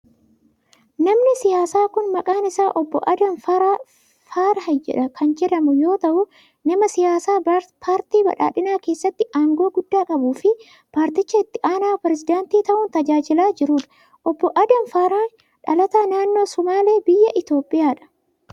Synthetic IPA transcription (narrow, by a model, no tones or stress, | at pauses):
nɐmnɪsɪjaːsaːkʊnmɐkʼaːnɪsaːʔɔbːɔ̰ʔɐd̪ɐnfɐɾaː | faːɾɐhɐd͡ʒɛ̰ᶑɐkʰɐnd͡ʒɛɾɐmʊjo̞ːt̪ɐʔʊ | nɐmɐsɪjaːsaːpʰaːɾt̪iːbɐ̰ᶑa̰ːᶑɪnaːke̞ːsːɐt̪ːɪʔaːŋɡo̞ːɡʊd̪ːaːkʼɐbuːfɪ | paːɾt̪ɪt͡ʃːɐɪt̪ːɪʔaːnaːpɾɛzɪd̪ant̪iːt̪ɐʔʊnt̪ɐd͡ʒaːd͡ʒɪlaːd͡ʒɪɾuːᶑɐ̥ | ʔɔbːɔʔɐd̪ɐnfaːɾaːn | ᶑɐlɐt̪aːnaːnːo̞ːsɔmaːle̞ːbɪjːɐʔɪt̪o̞ːpʼɪjaːᶑɐ̥